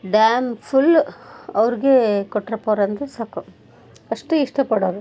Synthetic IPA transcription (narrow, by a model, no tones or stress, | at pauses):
ɖaːmpʰulɐʋɾiɡekɔʈːɾɐpoːɾɐnd̪ɐsaːku | ɐʂʈuiʂʈɐpɐɽoːɾu